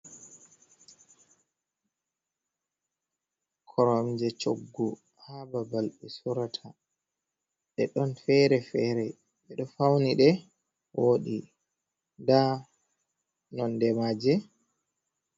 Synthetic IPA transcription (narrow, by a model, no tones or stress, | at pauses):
kʰɔɾɔmd͡ʒɛt͡ʃoɡːu | hababalɗisuɾatʰa | ɗɛɗɔnfɛɾɛfɛɾɛ | ɓɛɗɔfawniɗɛ | wʔoːɗi | da | nɔndɛmad͡ʒɛ